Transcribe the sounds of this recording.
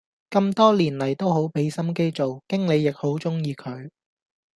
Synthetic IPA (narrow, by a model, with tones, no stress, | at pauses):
kɐ˧mt̪ɔː˥liː˨˩nlɐ˨˩jt̪o˥wɦo˨˥wpe˨˥jsɐ˥mke˥jt͡so˨wkɪ˥ŋle˨˧jːɪ˨k̚ho˨˥wt͡sʊ˥ŋjiː˨˧kʰɵ˨˧ɥ